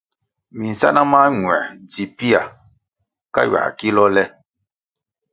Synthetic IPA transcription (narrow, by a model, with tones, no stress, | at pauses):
mi˨n̩˨sa˦na˦maː˦ŋwɛ̰˨d͡ʒi˨pi˦a˨ | ka̰˦ɥa̰˨ki˦lɔ˦lɛ˦